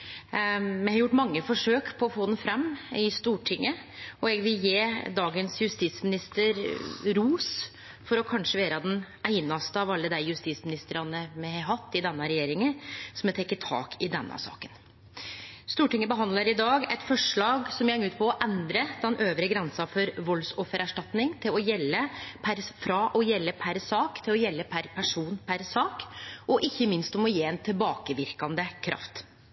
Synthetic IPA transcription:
mɛhɑɾjʊʈːmɑŋːəfɔʂøːkpʰɔːfoːd̪ɛn̩fɾɛmːɪst̪uːʈʰɪŋːə | ɔɛɡʋɪljeːd̪ɑːɡənsjʉst̪it̪smɪnɪst̪əɾɾuːs | fɔɾɔkʰɑnʂəʋeːɾəd̪ɛn | æɪnɑst̪əɑʋɑlːəd̪æɪjʉst̪it̪smɪnɪst̪əɾɑnəmɛhɑɾɦɑt̪ːɪd̪ɛnːəɾɛjeːɾɪŋəsɔmɛt̪ʰɛkːət̪ʰɑ̰ːkʰɪd̪ɛnːə̰sɑ̰ːkən | st̪uːʈɪŋːəbəɦɑnd̪ləɾɪd̪ɑːɡɛt̪fɔʂɭɑːɡsɔmjɛŋːʉːt̪̚pʰɔːʔɛnd̪ɾəd̪ɛnʔøːʋɾəɡɾɛnsɑfɔɾʋɔlsoːfəɾæʂʈɑt̪nɪŋt̪ʰɪlɔjɛlːəpʰæɾfɾɑʔɔjɛlːəpʰæɾsɑːkt̪ʰɪlɔjɛlːəpʰæɾpʰæʂuːnpʰæɾsɑːkɔʔɪçːəmɪnst̪ɔmɔjeːɛnt̪ʰɪlbɑːkəʋɪɾkɑnd̪əkʰɾʔɑ̰ft̪

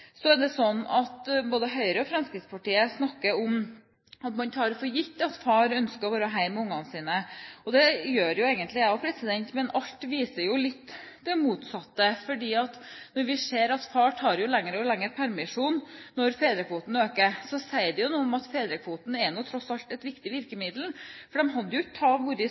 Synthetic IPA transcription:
sɔɛɖɛsɔnːɑt̪boːd̪əɦœʏɾəɔfɾɑmskɾɪt̪spʰɑʈiːəsnɑkːəɾɔm | ɑt̪mɑnt̪ʰɑːɾfɔɾjɪt̪ːɑt̪fɑːɾœnskəɾɔʋɑːɾəɦæɪmʊŋːɑnsiːnəɔd̪ɛjøːɾjʊeːɡənt̪lɪæɔpʰɾɛsɪd̪ɛnt̪mɛnʔɑʎt̪ʋiːsəɾjʊlɪt̪ːd̪ɛmuːt̪sɑt̪ːəfɔɖiːɑt̪nɔɾʋɪseːɾɑt̪fɑːʈʰɑːɾjʊlɛŋːəɾɔlɛŋːəɾpʰæɾmɪʂuːnːɔɾfeːd̪ɾəkʰʋuːt̪n̩øːkəɾsɔsæɪd̪ɛjʊnuːɔmɑt̪feːd̪ɾəkʰʋuːt̪n̩ɛnuːt̪ʰɾɔsɑlt̪ɛt̪ʋɪkt̪ɪʋɪɾkəmɪd̪l̩fɔɖɛmɦɑd̪ːjʊɪt̪ʰɑːʋʊɾɪ

